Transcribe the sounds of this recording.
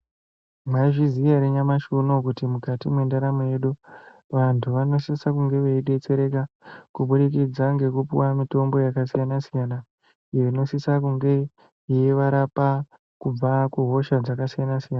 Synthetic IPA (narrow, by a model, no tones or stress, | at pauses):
maiʐizijaɾeɲamaʃuno̞kutimukatimwe̞ndaɾamoje̞ɗu | ʋantʰuʋano̞sisakuŋɡe̞ʋeiɗe̞t͡se̞ɾe̞k̬akuɓuɗikid͡zaŋɡe̞kupḭwamito̞mbo̞jakasijanasijana | ijo̞ino̞sisakuŋɡe̞ | jeʋaɾapa | kub͡vakuɦo̞ʃad͡zakasijanasijana